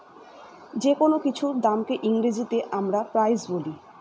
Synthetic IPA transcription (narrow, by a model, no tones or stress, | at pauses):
d͡ʑekonokit͡ɕʰud̪amkeʔiŋɾid͡ʑit̪eʔamɾapɾajzboli